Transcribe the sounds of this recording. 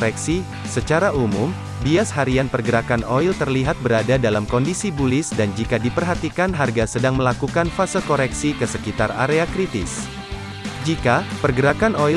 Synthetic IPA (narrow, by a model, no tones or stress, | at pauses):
ɾɛksi | sət͡ʃaɾaʔumum | biashaɾianpərɡəɾakanoilt̪ərliɦat̪̚bəɾadadalamkɔndisibulɪsdand͡ʒikadipərɦat̪ikanɦarɡasədaŋməlakukanfasəlkoɾɛksikəsəkit̪ara̰ɾeakɾit̪ɪ̰s | d͡ʒikapərɡəɾakanoi